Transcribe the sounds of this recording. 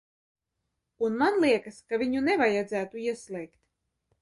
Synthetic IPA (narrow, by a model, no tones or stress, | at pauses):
unmanlˠiɛkaskavʲiɲunɛvajad̪zæːt̪uiɛslˠɛjkt̪